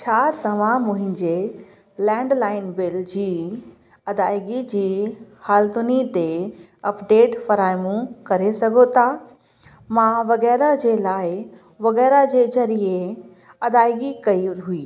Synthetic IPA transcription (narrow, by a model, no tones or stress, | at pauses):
t͡ɕʰaːt̪ɐʋ̤ãmʊ̃ɦɪ̃ɲd͡ʑe | lɛ̃ːɳɖlaːɪnbɪld͡ʑiː | ɐd̪aːɪɡid͡ʑiːhaːlt̪ʊnit̪e | ɐpɖeːʈfɐɾaːɪmũkɐɾesɐɡʱot̪ʰa | mãʋɐɣɛːɾad͡ʑeːlaːɪ | ʋɐɣɛːɾad͡ʑezɐɾie | ɐd̪aːɪɡikɐiɦuiː